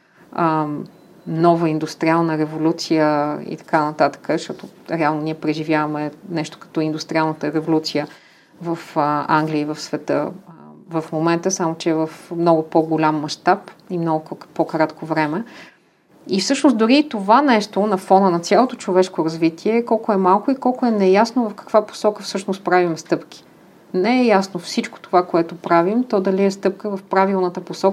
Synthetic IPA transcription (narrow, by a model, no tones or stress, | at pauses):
ə | nɔvəind̪ust̪ɾialˠnəɾɛvolʲut̪sijəḭt̪ɐ̥kanɐt̪at̪ə̥kəʃt̪ɔt̪oɾɛalˠnoniɛpɾɛʒivʲjavəmɛnɛʃt̪o̥kɐ̥t̪ɔind̪ust̪ɾialˠnət̪əɾɛvolʲut̪sijə | vəfəaŋɡlʲiəivəfsvɛt̪ɤ̰vɐfmomɛnt̪əsamot͡ʃɛːvəfmnɔɡʊpoɡolʲamːɐʃt̪apimnɔɡʊkpokɾat̪kovɾɛmɛ | ifsɤʃnosd̪ʊɾit̪ovanɛʃt̪onɐfɔnənɐt̪sʲjalˠot̪ot͡ʃovɛʃkoɾɐzvit̪ʰiɛkɔlˠkʊɛmalˠkoikɔlˠkʊɛnɛjasnovɐfkɐ̥kvapo̥sɔkəfsɤʃnost̪pɾavimst̪ɤpk̟ʲi̥ | nɛɛjasnofsit͡ʃko̥t̪ovakoɛt̪opɾavimt̪ɔd̪ɐliɛst̪ɤp̚kəvəfpɾavilˠnət̪əposɔkə